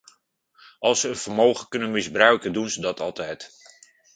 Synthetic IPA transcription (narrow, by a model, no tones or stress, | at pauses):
ɑlˠsəənv̥əɹmowχəkɵnənmɪzbrœɥkəndunzədɑtɑlˠtɛjt